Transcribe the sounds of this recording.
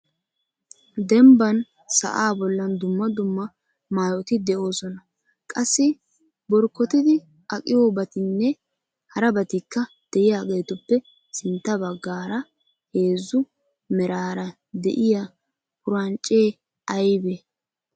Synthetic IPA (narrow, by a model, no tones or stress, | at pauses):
d̪ɛmbɐn | sɐ̰ʔaːbɔlːɐnd̪ʊmːɐd̪ʊmːɐ | maːjɔt̪ɪd̪ɛʔo̞ːsɔnɐ | kʼɐsːɪ | bɔɾkːɔt̪ɪd̪ɪ | ɐkʼɪjoːbɐt̪ɪnːɛ | hɐɾɐbɐt̪ɪkːɐ | d̪̥ɛʔɪjaːɡe̞ːt̪ɔpːɛ | sɪnt̪ːɐbɐɡːaːɾɐ | he̞ːzːʊ | mɛɾaːɾɐ | d̪ɛ̰ʔɪja | hʊɾɐnt͡ʃʼːeː | ɐjbe